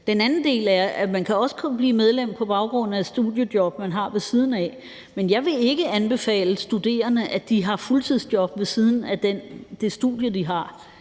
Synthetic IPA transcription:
d̥enænn̩d̥e̝̰ːlæɐæmænkʰæɒ̽sə̥kʰɔnb̥liːmeð̞ˠlem̰pʰɒ̽b̥ɑ̈ʊɡ̥ʁɔ̽n̰n̩æed̥sd̥uðˠjəd̥jɒ̽b̥mænɦɑ̈ʋe̝siːð̞ˠn̩ɛ̰ | menjɑ̈ɪʋe̝e̝ɡ̥əænb̥e̝fɛ̰ːləsd̥ud̥e̝̰ːɐnəʔæd̥iɦɑ̈fult͡sʰið̰ˠsd̥jɒ̽b̥ʋe̝sið̞ˠn̩æd̥end̥e̝sd̥ṵðˠjədiɦɑ̈

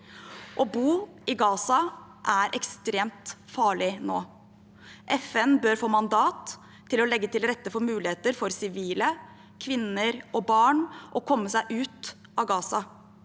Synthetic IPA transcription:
ʔɔbuː | ɪɡɑːsɑ | ʔæɾʔɛkst̪ɾeːmt̪fɑːɭɪnoː | ʔɛfɛnbøːɾfoːmɑnd̪ɑːt̪ʰː | ɪlɔlɛɡːət̪ʰɪlɾɛt̪ːəfɔɾmʉːlɪheːt̪əɾfɔɾsɪʋiːlə | kʰʋɪnəɾʔɔbɑːɳʔɔkʰɔmːəsæɪʔʉːt̪ʔɑɡɑːsɑ

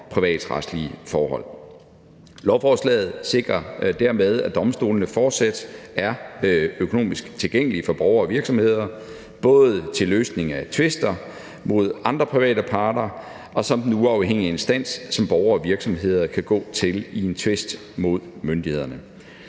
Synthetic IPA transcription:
pʰʁiʋɛ̰ːd̥ʁɑ̰̥slifɒːɦɒ̽l̰ | lɒʊfɒːslɛ̰ːð̞̩ˠse̝ɡ̥ʁɐd̥æɐ̰með̞ˠæd̥ɒ̽msd̥o̝̰ːlnəfɒːd̥sæd̥æɐøkʰo̝no̝̰ːmisɡ̥t͡sʰe̝lɡ̥eŋ̰əlifɒ̽b̥ɒʊɐːʋiɐɡ̥sɒ̽mhe̝ð̞̰ˠɐ | b̥ɔ̽ːð̩ˠt͡sʰe̝løːsne̝ŋæt͡sʰʋe̝sd̥ɐ | mo̝ð̞̰ˠɑ̈nd̥ʁɐpʰʁiʋɛ̰ːdəpʰɑ̈ːd̥ɐ | ɒ̽sɒ̽md̥n̩uɑ̈ʊheŋ̰ie̝nsd̥æn̰sːɒ̽mb̥ɒʊɐ̽ːʋiɐɡ̥sɒ̽mɦe̝ð̰ˠɐkʰæɡ̥ɔ̰ːt͡sʰe̝lie̝nt͡sʰʋe̝sd̥ | mo̝ð̞ˠmønd̥ihe̝ð̞̰ˠɐnə

